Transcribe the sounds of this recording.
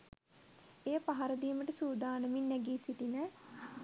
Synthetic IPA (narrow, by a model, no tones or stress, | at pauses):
eːəpaɦaɾəd̪iːməʈəsuːd̪aːnəminːæɡiːsiʈinə